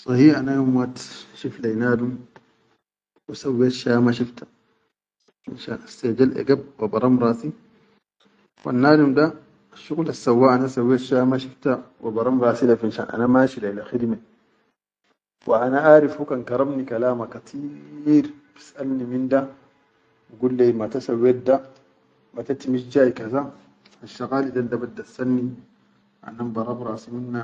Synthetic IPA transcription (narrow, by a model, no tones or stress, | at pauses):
sˤɑhiːʔanajomwat̪ʃiflajnaːdum | wisawːeːt̪ʃaːmaʃift̪ḁ | ḭnʃaːnʔast̪ad͡ʒalʔḛɡab̚wabɑɾˤɑmɾˤɑːsi | wa̰nːaːdumda | ʃuɣlasːawːaːʔanasawːeːt̪ʃaːmaʃift̪awibɑɾˤɑmɾˤɑːsilafinʃa̰ːnʔa̰namaːʃilailaxid̪me | wʔaʔanaʔaːɾifhukankɑɾˤɑmnikalaːmakat̪ʰiɾ | fi̥sʔalniminda | wiɡulːemat̪asawet̚da | mat̪at̪imiʃd͡ʒaːikaza | aʃːaɣaːlidandabad̪ːasanːi | ʔa̰nambɑɾˤɑbɾˤaːsiminːa